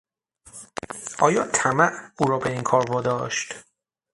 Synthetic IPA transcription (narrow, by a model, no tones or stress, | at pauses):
ʔɒːjɒːt̪ʰæmæʔuːɾɒːbe̞iːŋkʰɒːɾbɒːd̪ɒːʃt̪